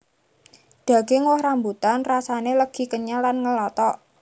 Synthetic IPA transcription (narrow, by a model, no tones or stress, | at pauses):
d̪̥ä̤ɡ̥eŋwɔhɾambut̪anrasaneləɡ̥i̤kəɲalanŋəlɔt̪ɔʔ